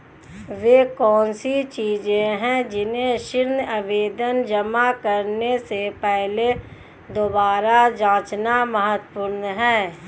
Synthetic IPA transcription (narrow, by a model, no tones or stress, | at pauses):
ʋeːkɔːnsit͡ʃiːd͡ʒẽɦɛ̃d͡ʒɪnẽʃɪɾnəʋeːd̪ənd͡ʒəmakəɾnesepɛɦle | d̪oːbaːɾad͡ʒãːt͡ʃnaməɦət̪puːɾnɦɛ̃ː